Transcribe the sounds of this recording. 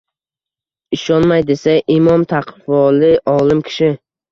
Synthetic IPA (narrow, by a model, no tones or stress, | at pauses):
ɪʃɒnmajd̪e̞saɪmɒmt̪ʰaqvɒlɪʔɒlˠɪmkʲʰɪ̥ʃɪ